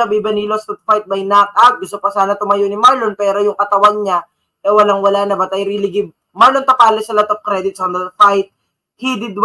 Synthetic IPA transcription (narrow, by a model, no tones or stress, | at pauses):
ɐbibɐnilost̪ʊt̪̚fajt̪̚bɐjnak̪̚ʔap̚ɡɪsɐpɐsaːnɐt̪ʊmɐjoʔnɪmaɹlonpɛːɾojʊŋkɐt̪ɐwɐŋɲa | ʔɛwɐlaŋwɐlaːnɐbɐt̪ɐjɾilɪɡɪb | maɹlont̪ɐpaːlɪsɐlat̪ofkɾɛd̪ɪt̪̚sɔnd̪ɐfajt̪̚ | hid̪ɪd̪̚w